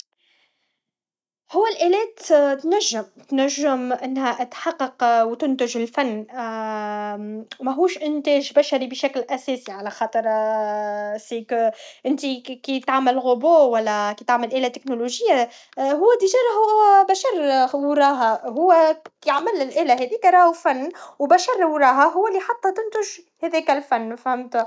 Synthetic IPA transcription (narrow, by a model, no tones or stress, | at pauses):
hʊwːælʔælɛːt̪t̪næʒːɪmt̪næʒːəmʔɪnːhæʔat̪ħɑqːɑqwt̪ʊnt̪ɪʒɪlfanː | mæɦuːʃʔɪnt̪ɛːʒbæʃaɾibʃæklʔæsɛːsiʕalæxɑːt̪ˤəɾ | siːkʔɪnt̪ikit̪ʕaməlɣoboːwælːækit̪aʕməlʔæːlæt̪ɪknoloʒɪjːa | ɦʊwːæd̪iʒɑɾˤɦʊwwæbæʃɑɾˤwɾˤɑːɦaɦʊwːækːʕmɪlːɪlʔɛːlæɦɛðiːkæɾˤɑːhufanːwbæʃɑɾˤwɾˤɑːɦaɦʊwːælːiħɑt̪ˤːɑt̪ʊnt̪ʊʒhɛðɛːkælfanːfhɪmt̪